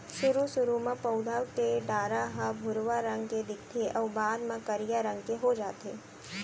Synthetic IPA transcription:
ʃʊɾusʊɾumãpəʊd̪ʱawkeɖaːɾaɦabʱʊɾʋaɾɐ̃ŋɡked̪ɪkʰt̪ʰeʔɔːbaːd̪mãkɐɾijaɾə̃ŋɡkeɦod͡ʒaːt̪eː

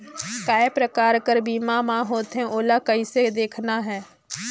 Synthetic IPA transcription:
kaːepɾəkaːɾkəɾbiːmamãɦoːt̪ɦɛ̃ʔoːlakəised̪eːkʰnaɦɛː

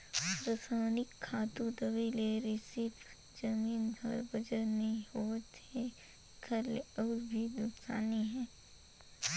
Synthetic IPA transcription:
pɾəsaːnɪkʰːaːt̪ũd̪ɐʋileɾɪsip | d͡ʒɐmiːnbəɾbɐd͡ʒəɾnɐɦĩɦoːt̪e | kʰɐleɔːɾbʱid̪ʊksa̰ːniɦɛ̃ː

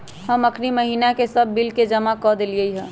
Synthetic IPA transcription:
həməkʰniməɦiːnakesəbːɪlked͡ʒɐmakɔd̪eliəiɦɛ̃ː

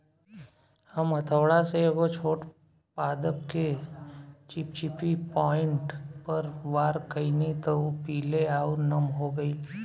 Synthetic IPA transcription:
hɐmɐt̪ʰəʋɽaseɡot͡ʃʰoːʈ | paːd̪əp̚ke | t͡ʃɪpt͡ʃɪpʰipɔːɪ̃ɳʈpɐɾʋaːɾkəinit̪opiːleaːunɐmɦoɡəiː

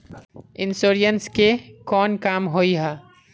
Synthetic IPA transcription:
ɪnsoːɾjənskekɔːnkaːmɦoiɦɛː

